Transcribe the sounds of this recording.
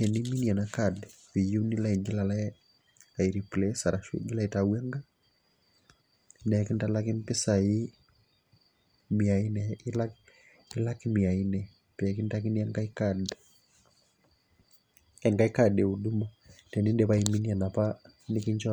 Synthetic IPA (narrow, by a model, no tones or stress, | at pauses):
tɛniminianakadɛ | wijunilaiɡilalaɛ | aiɾiplɛsaɾaʃwḛɡɪlaɛtawɛŋɡa | nɛkɪntalakɪmpɪsai | miainɛilak | ilakimiainɛ | pɛkintak̬inɛŋɡaikad | ɛŋɡaikadɛuduma | tɛnindɛβaiminianapa | nɪkiɲt͡ʃɔ